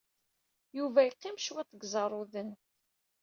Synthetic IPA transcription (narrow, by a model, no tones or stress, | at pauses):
juvæjqːɪmʃwæt͡s̪ːəɡzˤɑɾˤʊðən